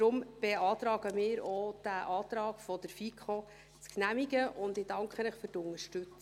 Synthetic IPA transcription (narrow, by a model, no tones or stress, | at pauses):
ɾʊmb̥eɑːt̪ɾɑːɡəmɪːɾod̥æʔɑːt̪ɾɑːɡ̥fɔdəɾfikʰχo | t͡sknæmiɡəʔʊndɪd̥ɑŋkχənəχfytʊnəɾʃtɵt͡s